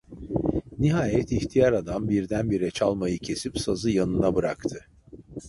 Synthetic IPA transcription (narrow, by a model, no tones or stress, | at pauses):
niɦaːjɛt̪ʰiçt̪ʰijaɾad̪ambiɾd̪ænbiɾɛt͡ʃʰalˠmajɯcʰe̞sipsazɯjanɯnabɯɾa̰kt̪ʰɯ